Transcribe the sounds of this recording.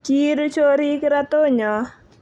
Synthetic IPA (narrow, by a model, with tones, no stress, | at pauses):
t͡ʃi˦ɾu˦t͡ʃo˦ɾi˦kɪ˦ɾa˦to˦ɲɔ˨